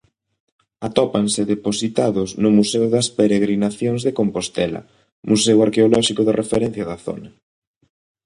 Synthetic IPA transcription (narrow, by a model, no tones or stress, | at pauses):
at̪ɔpansɪðeposit̪aðʊsnʊmusɛwðɐspeɾeɣɾinaθjoŋzðekompost̪ɛlɐ̰ | mʔusɛwaɾkeolɔʃikʊðɪrʔefeɾɛn̟θjɐðɐθo̰nɐ